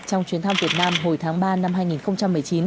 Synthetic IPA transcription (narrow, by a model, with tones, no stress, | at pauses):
t͡ɕɔ˧wŋ͡mt͡ɕwi˨˦nt̪ʰmvi˨˩ət̚naː˧mɦo˨˩jt̪ʰaː˨˦ŋɓaː˧na˧mɦaː˧jŋi˨˩nxə˧wŋ͡mt͡ɕa˧mːɨ˨˩əjt͡ɕi˨˦n